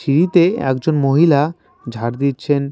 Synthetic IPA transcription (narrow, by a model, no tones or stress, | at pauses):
iɾit̪eɛ̰kd͡ʑonmoɦila | d͡ʑʱaɾd̪itːɕʰen